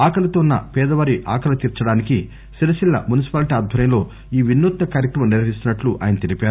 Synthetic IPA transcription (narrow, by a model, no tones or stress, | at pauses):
aːkʰɐlɐt̪oːnːɐ̰pɛːd̪ɐʋaːɾiʔa̰ːkʰɐlɐt̪iːɾt͡ʃɐɽaːniki | ʃiɾɐʃilːɐ̰munisi̥paːliʈiːaːd̪̚ʱɐɾjɐmlo̞ː | iːʋinːuːt̪ːɐkaːɾjɐkɾɐmɐmniɾʋɐɦist̪unɐʈluʔa̰ːjɐnɐt̪ilipaːɾu